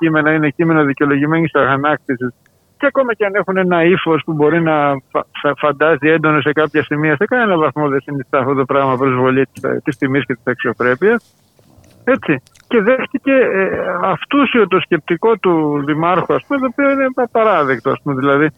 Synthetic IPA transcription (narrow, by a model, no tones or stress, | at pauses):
cime̞nɐinecime̞nɐðiceolo̞ʝime̞nisɐɣɐnɐk̚t̪isis | ceɐko̞mɐceɐne̞xune̞nɐifo̞spubo̞ɾinɐffɐnd̪ɐzie̞nd̪o̞no̞se̞kɐpçɐsimiɐsekɐnenɐvɐθmo̞ðesinist̪ɐːft̪o̞t̪opɾɐɣmɐpɾo̞zvo̞ʎit̪t̪istimisçet̪i̥sɐksiokɾe̞piɐs | e̞t͡si | ce̞ðe̞xt̪ice̞ɐft̪usiot̪o̞sce̞p̚t̪iko̞t̪uðimɐɾxoɐspumet̪oːpioine̞ɐpɐɾɐðe̞kt̪o̞ɐspume̞ðilɐði